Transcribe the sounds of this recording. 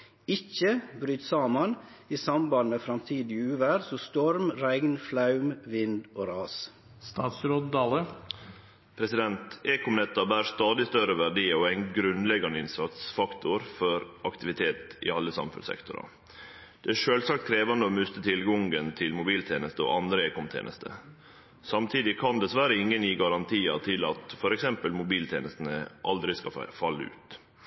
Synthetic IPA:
ɪçəbɾyːt̪sɑːmɑn | iːsɑmbɑnmeːfɾɑmt̪ʰiːd̪ɪʉːʋæɾsɔst̪ɔɾmɾæɪɡnflɑʉmʋɪnd̪oːɾɑːs | st̪ɑːt̪sɾoːd̪d̪ɑːlə | pʰɾɛsɪd̪ɛnt̪eːkʊmnɛt̪ːɑbæːɾst̪ɑːd̪ɪst̪œɾəʋæɖiːɔæɪnɡɾʉnlɛɡɑnəɪnsɑt̪sfɑkt̪ʊɾfɔɾʔɑkt̪ɪʋɪt̪ʰeːt̪ɪ̰ɑlːəsɑ̰mfʉ̰nsɛ̰kt̪ʊɾɑ̰ | d̪̥ɛæʂøːlsɑkt̪kʰɾeːʋɑnəoːmʉst̪ət̪ʰɪlɡɔŋɡənt̪ʰɪlmʊbiːlt̪ʰeːnəst̪əo̰ʔɑnd̪ɾəeːkʊmt̪ʰḛːnə̰st̪ʰə̰ | sɑmt̪ʰiːd̪ɪkʰɑnd̪ɛsʋæɾəɪŋːənjiːɡɑɾɑnt̪ʰiːɑ̰t̪ʰɪlɑ̰t̪fɔɾɛksɛmpəlmʊbiːlt̪ʰḛːnəst̪n̩əʔɑld̪ɾɪskɑfɑlːəʉ̰ːt̪

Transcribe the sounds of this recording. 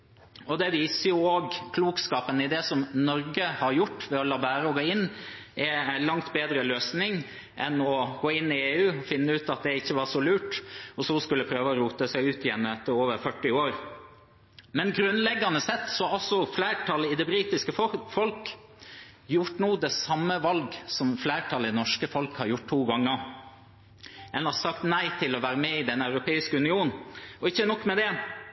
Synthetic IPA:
ɔd̪ɛʋiːsəjʊoːɡkʰluːkskɑːpənɪd̪ɛsɔmnɔɾɡəhɑɾjʊʈːʋɛɔlɑːbæːɾəɔɡoːɪnːʔɛælɑŋt̪beːd̪ɾəløːsnɪŋ | ʔɛ̰nɔɡoːɪnːɪeːʉːfɪnːəʉːt̪ɑt̪̚d̪ɛɪçːəʋɑʂɔlʉːʈɔsɔskʉlːəpʰɾøːʋəɔɾuːt̪əsæɪʉːt̪ɪjɛnːɛt̪ʰːəɾoːʋəɾfœʈːɪoːɾ | mɛnɡɾʉnlɛɡːɑnəsɛt̪ːsɔɑlsɔflæɪʈʰɑləɪd̪ɛbɾiːt̪ɪskəfɔlk | jʊʈnuːd̪ɛsɑmːəʋɑlɡsɔmflæːʈʰɑləɪnɔʂkəfɔlkhɑɾjʊʈ̚t̪ʰːuːɡɑŋːə | ɛnɑsɑkt̪næɪt̪ʰɪlɔʋæːɾəmɛɪd̪ɛnɑʉɾʊpʰeːɪskəʉnɪuːnn̩ɔɪçːənɔkːmɛd̪ɛ

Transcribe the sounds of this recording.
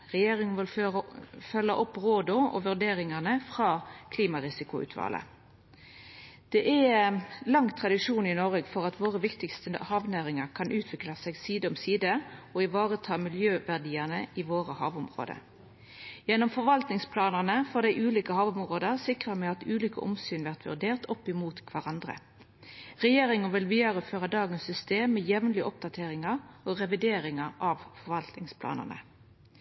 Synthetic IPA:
ʁɛjeːʁɪŋənʋɪl | fœlːəʔɔpːʁoːd̪ɔɔ̰ʋʉʁd̪eːɾɪŋəʁnəfʁɑːkʰliːmɑʁɪsɪkʊʉ̰ːt̪ʰʋɑ̰ːlə̰ | d̪̥ɛʔɛlɑŋːt̪ʰʁɑd̪ɪʂuːnɪnɔʁəɡfɔʁɑt̪ʋoːʁəʋɪkt̪ɪkst̪əhɑːʋnæːʁɪŋəʁkʰɑnʔʉːt̪ʰʋɪklɑsɛːɡsiːd̪əɔmsiːd̪əɔɪʋɑːʁət̪ʰɑːmɪljøːʋæʁd̪iːəʁnəɪʋoːʁəhɑ̰ːʋʊmʁo̰ːd̪ə̰ | jɛnːɔmfɔʋɑlt̪nɪŋspʰlɑːnəʁnəfɔd̪æɪʔʉːliːkəhɑːʋɔmʁoːd̪əʁsɪkʁəmɛɑt̪ʉːliːkə̰ʔɔ̰msyːnʋæʁt̪ʋʉ̰ʁd̪eːʁt̪ʰɔpːɪmuːt̪kʰʋæʁɑnd̪ʁə̰ | ʁɛjeːʁɪŋənʋɪlʋiːəʁəføːʁəd̪ɑːɡənsːʏst̪eːmːejɛʋnlɪʔɔp̚d̪ɑt̪ʰeːʁɪŋɑʁɔːʁɛʋɪd̪eːɾɪŋɑʁɑʋfɔɾʋɑlt̪nɪŋspʰlɑ̰ːnə̰ʁnə̰

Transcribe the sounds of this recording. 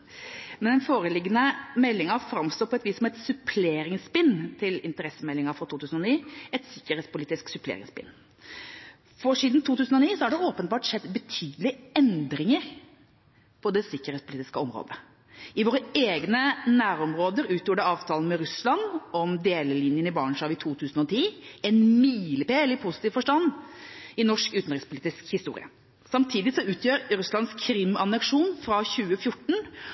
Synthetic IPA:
mɛnɛnfoːɾəlɪɡənəmɛlːɪŋɑfɾɑmst̪oːpʰɔɛt̪ʋiːsːɔmɛt̪sʉpʰleːɾɪŋsbɪnt̪ʰɪlɪ̰nt̪əɾɛsːəmɛlːɪŋɑfɾɑt̪ʰuːt̪ʉːsən̩ɔniːɛt̪sɪkːəɾheːt̪spʊliːt̪ɪsksʉpʰlḛːɾɪ̰ŋsbɪ̰nː | fɔʂiːd̪nt̪ʰuːt̪ʰʉːsn̩ɔniːsɔhɑɖɛoːpənbɑːʈʂɛd̪bət̪ʰyːd̪lɪɛnd̪ɾɪŋəɾ | pʰɔd̪ɛsɪkːəɾhet̪spʊliːt̪ɪ̥skəɔmɾo̰ːd̪ə | ɪʋoːɾəeːɡnənæːɾɔmɾoːd̪əɾʉːt̪juːɖɛɑːʋt̪ʰɑːlən̩mɛɾʉslɑnɔmd̪eːləlinjənɪbɑːɳʂɑːʋɪt̪ʰuːt̪ʰʉːsn̩ɔt̪ʰiːɛnmiːlɪpeːɛlːəɾpʰʊsɪt̪iːʋfɔʂʈɑnː | ɪnɔʂkʉːt̪nɾɪkspʰʊliːt̪ɪskhɪst̪ṵːɾɪ̰ə̰ | sɑmt̪ʰiːd̪ɪsɔʉːt̪ʰjøːɾɾʉslɑnskʰɾɪmɑnɛkʂuːnfɾɑçʉːəfjʊʈːɳ̩

